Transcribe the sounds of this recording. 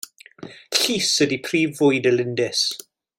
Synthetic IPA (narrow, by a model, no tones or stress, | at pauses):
ɬiːsədipʰriːvʊɨdəlɪndɪs